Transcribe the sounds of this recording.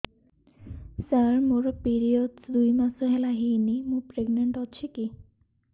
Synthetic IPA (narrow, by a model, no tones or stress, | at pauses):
səɾmoɾopiɾiodsd̪ujmasoɦɛlaɦijnimũpɾeɡneɳʈɔt͡ɕʰeki